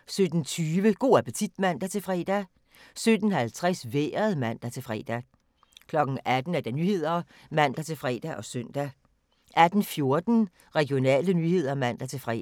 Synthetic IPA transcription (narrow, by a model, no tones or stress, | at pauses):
sød̥n̩t͡sʰyːʋəɡ̥o̝̰ːæpʰət͡sʰid̥mæn̰d̥æt͡sʰe̝lfʁɛ̰ːd̥æ | sød̥n̩hælt͡sʰʁasʋḛːɐð̩ˠmæn̰d̥æt͡sʰe̝lfʁɛ̰ːd̥æ | kʰlɒ̽ɡ̥n̩æd̥n̩æɐd̥ænyːhe̝ð̞̰ˠɐ | mæn̰d̥æt͡sʰe̝lfʁɛ̰ːd̥æʔɒ̽søn̰d̥æ | ʔæd̥n̩fjo̝ɐd̥n̩ | ʁɛɡ̥io̝nɛ̰ːlənyːhe̝ð̞̰ˠɐmæn̰d̥æt͡sʰe̝lfʁɛ̰